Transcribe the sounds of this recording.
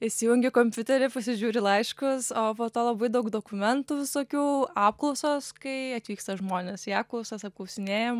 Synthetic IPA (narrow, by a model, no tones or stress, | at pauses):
ɪʃʲsʲijʊŋʲɡʲɪkoːmʲpʲʊt̪ʲɛɾʲɪpɐsʲɪʒʲuːɾʲɪlˠɐɪʃkʊsoːpoːt̪oːlˠɐbɐɪd̪ɐʊkd̪oːkʊmʲɛnt̪uːʋʲɪsoːkʲuːɑːp̚klˠɐʊsoːskɐɪɐt̪ʲʋʲiːkst̪ɐʒmoːnʲesiɑːp̚klˠɐʊsɐsɐp̚klˠɐʊsʲɪnʲeːjɛm